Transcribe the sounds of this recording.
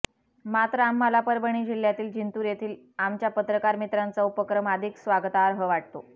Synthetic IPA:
mat̪ɾəamːəlapəɾbəɳ̃iːd͡ʑilːjat̪iːld͡ʑint̪uːɾjet̪ʰiːl | amt͡ɕjapət̪ɾəkaɾmit̪ɾant͡saupəkɾəmad̪ʱiksʋaɡt̪aɾɦəʋaʈ̚t̪o

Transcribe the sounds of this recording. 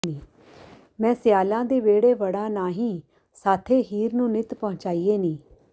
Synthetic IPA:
nĩː | mɛ̃ːsɪjaːlãːd̪eːʋeːɽeːʋəɽãːnaːɦĩː | saːt̪ʰeːɦiːɾnũːnɪt̪pɔɦʊ̃t͡ʃaːiːeːnĩː

